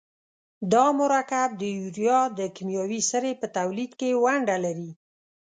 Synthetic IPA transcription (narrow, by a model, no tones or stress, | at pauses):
d̪ɑmʊɾakab̚d̪əjuɾijɑd̪əkimjɑwisəɾepət̪awlid̪kewaɳɖalaɾi